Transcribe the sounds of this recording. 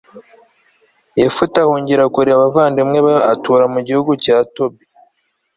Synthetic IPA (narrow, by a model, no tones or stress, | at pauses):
jefutahuːɲɟiɾakuɾiaβavaːndimŋeβaatuːɾamuɟihuɡucaːtobi